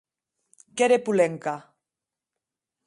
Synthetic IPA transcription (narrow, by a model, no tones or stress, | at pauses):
keɾepuleŋka